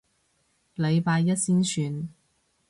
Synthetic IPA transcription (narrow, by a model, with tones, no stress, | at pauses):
le˨˧jpaː˧jːɐ˥t̚siː˥nsʰyː˧n